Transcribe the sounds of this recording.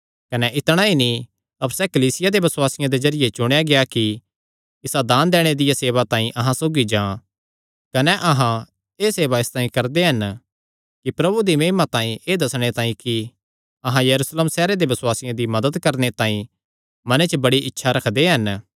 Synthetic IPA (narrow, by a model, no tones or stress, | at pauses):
kɐnɛʔɪt̪ɽ̃aːinĩ | ɐbsɛkɐliːsɪjad̪ebɐsʊwaːsɪjãd̪ezɐɾɪjet͡ʃʊɽ̃ejaɡejaki | ɪsad̪aːnd̪ɛːɽ̃ed̪ɪjaseːʋat̪ãːĩʔɐɦãsoːɡid͡ʒãː | kɐnɛʔɐɦã | eːseːʋaɪst̪ãːĩkɐɾd̪eɦɐn | kipɾɐbud̪imeːmat̪ãːĩʔeːd̪ɐsɽ̃et̪ãːĩki | ɐɦãjɐɾuːsleːmsɛːɾed̪ebɐswaːsɪjãd̪imɐd̪əd̪kɐɾnet̪ãːĩ | mɐnet͡ʃəbɐɽiʔɪtːʃʰaɾɐkʰd̪eɦɐn